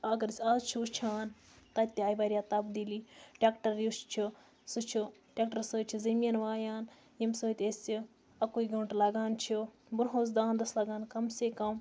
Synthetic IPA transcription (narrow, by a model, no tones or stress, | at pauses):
ɐɡɐɾsʲaːzt͡ʃʰut͡ʃʰaːn | t̪ɐt̪̚ʲt̪ːiaːjʋɐːɾʲjaːt̪ɐbd̪iliːʈʲeːkʈɐɾjuʃt͡ʃʰi | sut͡ʃʰu | ʈʲek̚ʈɐɾsəːt͡ʃʰizɐmijɐnʋaːjaːn | jimsoːt̪ʲesi | ɐkuiɡɐɳʈlɐɡaːnt͡ʃʰi | buɾɦoːsd̪aːnd̪ɐslɐɡaːnkɐmsekɐm